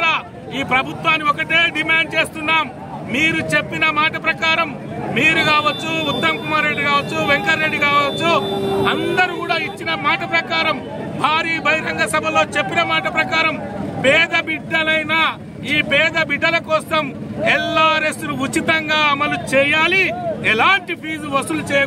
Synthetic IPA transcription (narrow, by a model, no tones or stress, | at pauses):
aː | iːpɾɐbʱut̪ʋaːnːiɔkɐʈeːɖimaːɳɖ̚t͡ʃe̞ːst̪unːaːmː | iːɾut͡ʃe̞pːinɐmaːʈɐpɾɐkaːɾɐmː | iːɾukaːʋɐt͡ʃːuut̪ːɐmkumaːɾːe̞ɖːikaːʋɐt͡ʃːuʋeŋkɐɾːe̞ɖːikaːʋɐt͡ʃːuɐnd̪ɐɾikuːɽaːit͡ʃːinɐmaːʈɐpɾɐkaːɾɐm | bʱaːɾiːbʱɐjɾɐŋɡɐsɐbʱɐlo̞ːt͡ʃepːinɐmaːʈɐpɾɐkaːɾɐmpɛːd̪ɐbiɖːɐlɐjna | iːpɛːd̪ɐbiɖːɐlɐkɔːsɐmɛlːaːɾe̞snuut͡ʃit̪ɐŋɡaːɐmɐlut͡ʃɛːjaːliɛlaːɳʈipʰiːd͡ʒʋɐsulut͡ʃeːɐ